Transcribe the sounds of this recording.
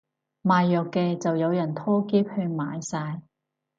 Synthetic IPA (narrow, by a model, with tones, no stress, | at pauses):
maː˨jːœː˨˩kːɛː˧t͡sɐ˨wjɐ˨˧wjɐ˨˩nt̪ʰɔː˥keː˥p̚hɵ˧ɥmaː˨˧jsaː˧j